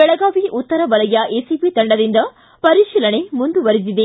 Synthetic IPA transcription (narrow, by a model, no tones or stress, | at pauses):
bɛɭɐɡaːʋiʔut̪ːɐɾɐʋɐlɐjɐʔeːsipit̪ɐɳɖɐd̪ind̪ɐ | pɐɾiʃiːlɐɳemund̪uʋɐɾisid̪e